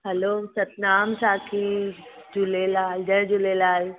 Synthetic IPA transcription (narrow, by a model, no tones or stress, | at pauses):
ɦɐloːsɐt̪naːmsaːkʰid͡ʒulelaːld͡ʒəd͡ʒulelaːl